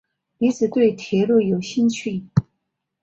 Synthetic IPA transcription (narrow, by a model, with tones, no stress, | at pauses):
ni˧˥t͡sɹ̩˨˩t̪we˥˩ɪt̪ʰjɛ˧˥lu˥˩jo˨˩ʊɕi˥˧nt͡ɕʰy˥˩